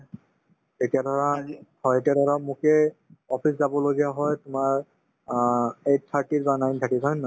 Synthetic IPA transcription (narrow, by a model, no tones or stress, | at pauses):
etiadɔɹahɔjetiadʱɔɹamʊkɛ | ɔpʰiszabɔloɡijaɦɔjtʊmaɹ | ejt̚t̪ʰːaɹʈitbanajntʰakitʰɔjnːɔ